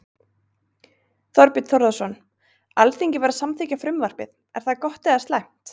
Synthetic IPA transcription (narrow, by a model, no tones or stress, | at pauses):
θɔɾpɪt̪θɔwɾðasɔn | alθiɲcɪvɛɾasamθiːcafɾʏmvar̥pɪð | ɛɾ̥θakɔht̪ɛðast̪lajm̥t̪